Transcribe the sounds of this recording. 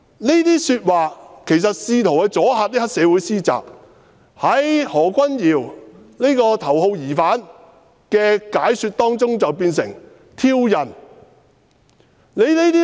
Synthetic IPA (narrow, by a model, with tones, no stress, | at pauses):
ne˥jt̪iː˥syː˧t̚waː˨kʰe˨˩jsɐ˨t̚siː˧t̪ʰo˨˩wkɛ˧t͡sɔː˨˥haː˧t̚niː˥hɐ˥k̚sɛː˨˧wuː˨˥jsiː˥t͡sa̰ː˨k̚ | hɐ˨˥jhɔː˨˩kʷɐ˥njiː˨w | ne˥jkɔː˧t̪ʰɐ˨˩wɦo˧wjiː˨˩faː˨˥n | kɛː˧kaː˨˥jsyː˧t̪̚ɔː˥ŋt͡sʊ˥ŋt͡sɐ˨wpiː˧nsɪ̰˨˩ŋ | t̪ʰiː˥wjɐ˨˩n | ne˨˧jne˥jt̪iː˥